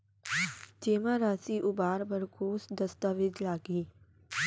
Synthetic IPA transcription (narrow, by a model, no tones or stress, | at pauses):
d͡ʒeːmãɾaːsiʔʊbaːɾbəɾkoːsd̪ɐst̪aʋɪd̪laːɡiː